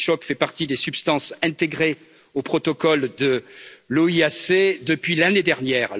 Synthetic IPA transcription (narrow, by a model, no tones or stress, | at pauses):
ʃɔkfɛpaʁt̪id̪esypst̪ɑ̃sɛ̃t̪eɡʁe | opχɔt̪ɔkɔld̪əloiased̪əpɥilaned̪ɛʁnjɛːʁ